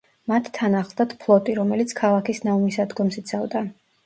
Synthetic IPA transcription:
mat̪ʰːanaχlˠd̪at̪ʰpʰlˠɔt̪ʼiɾɔmɛlit̪sʰkʰalˠakʰisnamisad̪ɡɔmsit̪sʰavd̪a

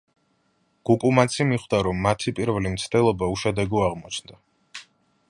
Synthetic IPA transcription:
ɡ̥ukʼumat̪sʰimiχwd̪aɾɔmːat̪ʰipʼiɾvɛlimt̪sʰd̪ɛlˠɔbauʃad̪ɛɡuaʁmɔt͡ʃʰnd̪a

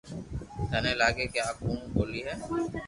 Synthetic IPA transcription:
k̪ɛnelaːɡekeaːpũːboːliɦɛː

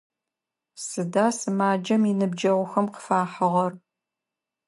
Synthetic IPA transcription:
sɨdaːsɨmaːd͡ʒɐminɨbd͡ʒɐʁʷʊxɐmqə̥faːħɐʁɐr

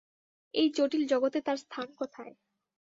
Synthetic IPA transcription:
ejd͡ʑoʈild͡ʑɔɡot̪et̪aɾst̪ʰankɔt̪ʰae

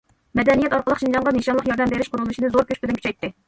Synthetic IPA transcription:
mɛd̪ɛnijɛt̪ɑɾqəlˠəqʃind͡ʒɑɴʁɑneʃɑnlˠəqjɑɾd̪ɛmbeɾɪʃqʰʊɾulˠd̪uʃinɨzoɾkʲøʃʲpɪd̪ɪnkʰy̥t͡ʃʰɛjt̪ːɪ

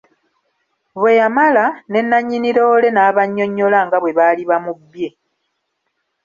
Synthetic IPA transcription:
βwe̞jamalane̞nːaɲːiniɾo̞ːle̞naːβaɲːo̞ɲːo̞laŋɡaβwe̞βaliβamubje̞

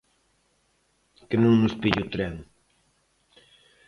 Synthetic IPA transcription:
kɪnũŋnʊspiʎut̪ɾɛŋ

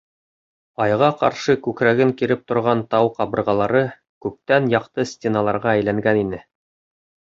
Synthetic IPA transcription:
ɑjʁɑqɑ̰ɾʃɤkʉkɾæɡɘŋkiɾɘp̚t̪ŏɾʁɑnt̪ɑwqɑβɤ̆ɾʁɑlˠɑɾɤ | kʉp̚t̪ænjɑqt̪ɤsʲt̪ʲenɑlˠɑɾʁɑæjlæŋɡæninɘ

